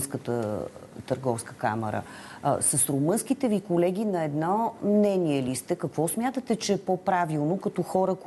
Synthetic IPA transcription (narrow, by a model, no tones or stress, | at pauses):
nskət̪ət̪əɾɡɔfskə̥ka̰mɛ̰ɾə̰ | səsɾomɤnsk̟it̪ɛvikolɛɡ̟inɐɛd̪nɔmnɛniɛlist̪ɛkɐkvɔsmʲjat̪ət̪ɛt͡ʃɛːpopɾavilˠnokɐt̪ɔxɔɾək